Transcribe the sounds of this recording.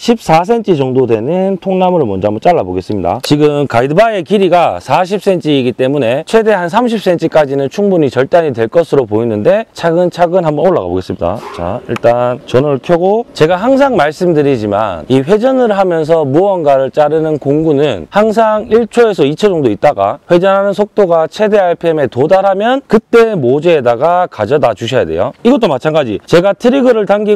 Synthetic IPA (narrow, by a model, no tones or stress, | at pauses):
ɕʰip̚s͈as̬ʰe̞nt͡ɕʰit͡ɕʌŋdodwe̞nɯntʰoŋnamɯɾɯmʌnd͡ʑoamʌt͡ɕ͈aɭːaboɡe̞s͈ɯmɲida̰t͡ɕiɡɯmkaidɯbae̞kiɾiɡasʰaɕ̬ʰip̚s͈ʰe̞nt͡ɕʰiɡit͈e̞mune̞t͡ɕʰwe̞de̞hans̬ʰamɕ̬ʰip̚s͈ʰe̞nt͡ɕʰɯk͈ad͡ʑinɯnt͡ɕʰuŋbuɲit͡ɕʌɭt͈aɲitwe̞ɭk͈ʌsʰɯɾopoinɯnde̞t͡ɕʰaɡɯnt͡ɕʰaɡɯnɦambʌnoɭːa̰ɣa̰bo̰ɡe̞s͈ɯmɲida̰t͡ɕa̰ḭɭt͈ant͡ɕʌnɯɭkʰjʌɡot͡ɕe̞ɡaɦaŋs̬ʰaŋmaɭs͈ɯmdɯɾid͡ʑima̰niɸwe̞d͡ʑʌnɯɾɦamjʌns̬ʰʌmuʌnɡaɾɯɭt͡ɕ͈aɾɯnɯnkoŋɡunɯnhaŋs̬ʰaŋiɭt͡ɕʰoe̞sʰʌit͡ɕʰʌd͡ʑʌŋdoit̚t͈aɡa̰ɸwe̞d͡ʑʌnɦanɯnsʰok̚t͈oɡat͡ɕʰe̞de̞aɭpʰe̞me̞todaɾɦamjʌnkɯt͈e̞mod͡ʑeːdaɡakad͡ʑʌnad͡ʑuɕʰʌja̰de̞̰joiɡʌt͈omat͡ɕʰanɡad͡ʑḭt͡ɕe̞ɡatʰɯɾiɡɯɾɯɭtaŋɡi